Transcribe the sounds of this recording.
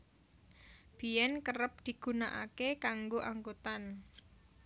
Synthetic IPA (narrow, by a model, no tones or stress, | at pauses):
b̥ijɛnkəɾəp̚d̪̥i̤ɡ̥ṳnaʔakekaŋɡoʔaŋɡot̪an